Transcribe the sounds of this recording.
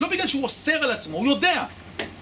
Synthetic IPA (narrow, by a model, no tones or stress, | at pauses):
lo̞biɡlalʃeuose̞ʁalat͡smo̞hujo̞dea